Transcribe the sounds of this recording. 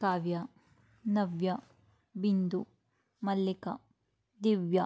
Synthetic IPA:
kaːʋjɐ | nɐʋjɐ | bind̪u | mɐlːikɐ | d̪iʋjɐ

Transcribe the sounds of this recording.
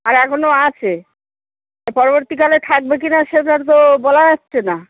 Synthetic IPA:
aɾɛkʰonoat͡ɕʰe | pɔɾoboɾt̪ikalet̪ʰak̚bek̬inaʃeʈaɾt̪̬obɔlajatːt͡ɕʰena

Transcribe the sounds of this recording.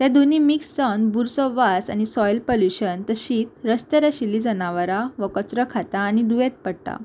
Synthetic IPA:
t̪ẽd̪unimiksːənbuɾsɔʋasa̰ñisɔjlpoljuɕənt̪əɕiːt̪ɾəst̪əɾəɕilid͡zənaʋəɾaʋəkət͡sɾəkʰat̪aːñid̪uʋẽt̪̚pəɽt̪a̰

